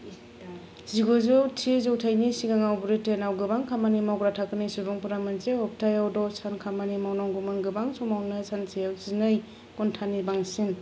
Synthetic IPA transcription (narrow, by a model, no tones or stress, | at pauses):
ziɡozowtʰizowtʰajnisiɡaŋawbuɾitenawɡɯbaŋkʰamanimawɡɾatʰakɯnɯjsubɔŋpuɾamansehɔp̚tʰajawdɔsʰankʰamanimawnaŋɡumaŋɡɯbaŋsɔmawnɯsansʰejawzinɯj | kɔntʰanibaŋsin